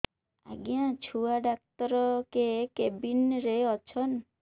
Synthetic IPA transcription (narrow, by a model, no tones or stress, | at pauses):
a̰ɡijãt͡ʃʰuaɖak̚t̪ɔɾɔkekebinɾeɔt͡ʃʰɔn